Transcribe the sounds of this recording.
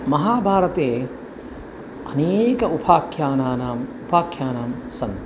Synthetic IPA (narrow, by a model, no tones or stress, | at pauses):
mɐɦaːbʱaːɾɐt̪eː | ɐneːkɐupʰaːkʰjaːnaːnaːmupʰaːkʰjaːnaːmsɐnt̪